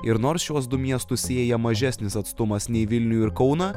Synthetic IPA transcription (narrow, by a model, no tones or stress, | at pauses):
ɪɾnoːɾsʃuɔs̬d̪ʊmʲiɛst̪ʊsʲeːjɛmɐʒʲæsʲnʲɪsɐt̪st̪ʊmɐsnʲɛɪʋʲɪlʲnʲʊjuɪɾkɒʊnɐː